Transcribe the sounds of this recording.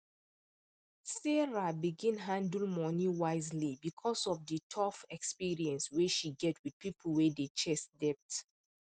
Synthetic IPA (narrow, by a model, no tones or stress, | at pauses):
sɛɹabiɡĩnɦãndl̩ˠmɔniwaɪzlibikʰɔsɔfdətʰɔfɛkspiɹiɛ̃nsweʃiɡɛtwid̚pipʰl̩wɛdet͡ʃɛsdɛp̚t